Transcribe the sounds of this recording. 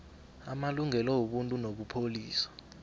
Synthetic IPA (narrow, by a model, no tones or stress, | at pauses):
amaluŋɛlɔwoɓuntʼunoɓupʰoliːsḁ